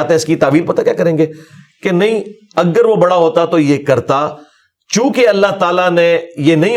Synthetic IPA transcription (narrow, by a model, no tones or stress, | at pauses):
t̪eɦɛ̃ɪskit̪aːʋiːlpɐt̪akʲja̰ːkɐɾẽːŋɡeː | kenɐɦĩ | ɐɡəɾʋobɐɽaɦoːt̪at̪ojeːkɐɾt̪aː | t͡ʃũːkeɐlːaɦt̪aːlanejeːnɐɦĩ